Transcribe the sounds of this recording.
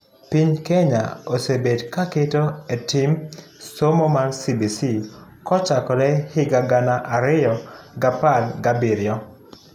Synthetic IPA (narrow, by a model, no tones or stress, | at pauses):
piɲkɛɲa̰osebedkaketoetimsomomansibisi | kɔt͡ʃakɔɾɛhɪɡaɡanaʔaɾɪjɔɡapalɡabiɾjɔ